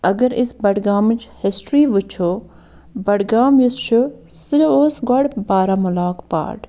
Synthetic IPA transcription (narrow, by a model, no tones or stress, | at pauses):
ɐɡɐɾɪsbɐɽɡaːmt͡ʃʰhɪsʈɾiːʋɨt͡ʃʰo | bɐɽɡaːmjist͡ʃʰu | sɨɾooːsɡɐɽbaːɾaːmʊlaːkpa̰ːʈ